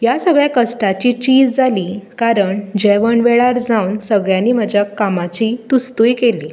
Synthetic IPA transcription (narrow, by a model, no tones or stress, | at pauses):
jasəɡɭjakəsʈat͡ɕiːt͡ɕiːd͡zd͡zaliːkaɾəɳd͡ʑɛʋəɳʋɛɭaɾd͡zaunsəɡɭjanːiːm̤əd͡ʑʱjakamat͡ɕit̪ust̪ujikeliː